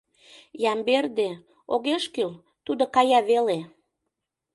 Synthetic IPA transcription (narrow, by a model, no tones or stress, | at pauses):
jɑmberd̪e | oɣeʃkyl | t̪ud̪okɑjɑβele